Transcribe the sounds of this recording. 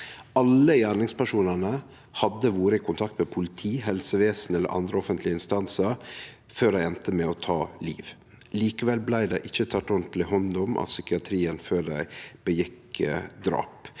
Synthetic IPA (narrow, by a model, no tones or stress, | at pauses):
ɑləjæːɳɪŋspæʂuːnənə | hɑd̪əʋoːɾəɪkʰʊnt̪ʰɑk̚t̪mɛpʰʊlɪt̪ʰiːɦɛlsəʋeːsn̩ɛlːə̰ʔɑ̰nd̪ɾəɔfənt̪lɪəɪnst̪ɑnsəɾ | føːɾæɪɛnt̪əmɛɔt̪ʰɑːlḭːʋ | liːkəʋɛlblæɪd̪æɪʔɪçːət̪ʰɑt̪ːɔnt̪l̩ɪhɔnd̪ɔmʔɑ̰ʋsʏkɪɑt̪ʰɾiːənføːɖ̪æɪb̥əjɪk | d̪ɾɑ̰ːp